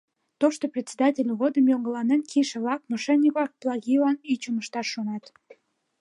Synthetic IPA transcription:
t̪oʃt̪oprʲetʲsʲed̪ɑtʲelʲɣod̪əmjoŋɡəlɑnenkiʃəβlɑk̚mɑʃenʲːiklɑk̚plˠɑɣilɑnit͡ɕuməʃt̪ɑʃonɑt̪

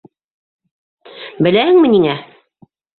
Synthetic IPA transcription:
bɘ̆læhɘŋmɘ̆niŋæ

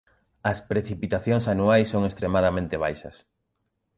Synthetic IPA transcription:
ɐspɾeθipit̪aθjoŋsanuajsːoŋest̪ɾemaðamẽnt̪eβ̞ajʃɐs

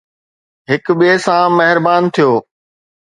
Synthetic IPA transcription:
ɦɪkɓiesãmɐɦɪɾbaːnt̪ʰijoː

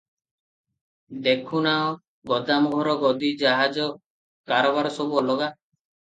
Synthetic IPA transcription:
d̪ekʰunaɔ | ɡɔd̪amuɦɔɾɔɡɔd̪id͡ʒaɦad͡ʒɔ | kaɾɔbaɾɔsɔbuɔlɔɡa

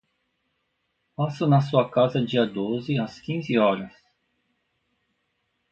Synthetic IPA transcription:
pasʊnɐs̬uɐkazɐd͡ʒiɐd̪ozɪɐskĩzɪɔɾɐs

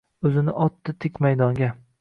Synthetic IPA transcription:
ɵzɪnɪʔɒt̪ːɪt̪ʰɪkʲmajd̪ɒŋɡʲa

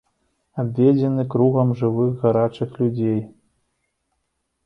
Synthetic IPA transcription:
abʲvʲed͡zʲɛnɨkɾuɣɐmʐɨvɨɣɣaɾat͡ʂɨxlʲud͡zʲej

